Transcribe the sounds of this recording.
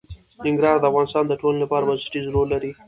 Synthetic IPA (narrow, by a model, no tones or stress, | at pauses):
nɪŋɡɾɑɾd̪əafɣɑnɪst̪ɑnd̪əʈololapɑɾabazɪʈizɾolːaɾi